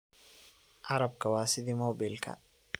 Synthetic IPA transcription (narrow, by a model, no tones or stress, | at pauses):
ʔɐɾɐb̚kɐwaːsɪd̪ɪmoːbɪlkʰɐ̰